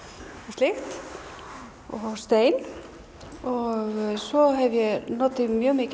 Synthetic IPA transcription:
ɔslɪxt̪ | ɔst̪eːjn | ɔɣsɔɦɛvjɛnɔt̪ɪmjœːmɪc

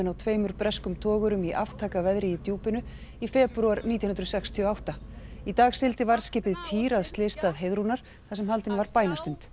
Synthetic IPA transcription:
ɪnawt̪ʰveːjmʏɾpɾɛskʏmt̪ʰɔːɣʏɾʏmiʔa̰ft̪ʰaːkavɛðɾɪjɪt̪juːpɪnʏ | ifɛːpɾuaɾniːjanʏnɾsɛkst̪ʰiɔawht̪ait̪aːɣsɪlt̪ɪvaɾ̥scɪːpɪðt̪ʰiːɾaðst̪lɪːst̪aðɦejðɾunaɾ̥ | θasɛmhalt̪ɪnvaɾpaːjnast̪ʏnt̪

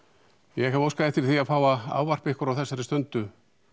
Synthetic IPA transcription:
jɛɦavoːwskaðɛht̪ɪɾ̥θiaðfaːwvaa̰ːwvar̥pehkʏɾawθɛsːaɾɪst̪œnt̪ʏ

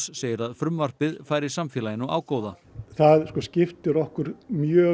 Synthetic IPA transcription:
sseːjɪɾaðfɾʏmvar̥pɪðfaːjɾɪ̥samfjɛːlajɪnɔwa̰ːwkoːwða | θaðskɔscɪft̪ʏɾɔhkʏɾmjœː

